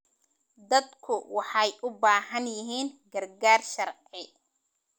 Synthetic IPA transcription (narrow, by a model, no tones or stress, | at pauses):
d̪ɐd̪kʰʊwɑħɑjʔʊbaːɦɐnjɪɦiːnɡɐrɡaːrʃɐrʕɪ